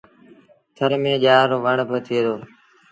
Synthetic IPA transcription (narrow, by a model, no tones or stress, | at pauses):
t̪ʰəɾmẽːʄaːɾoːʋəɳbət̪ʰiːd̪oː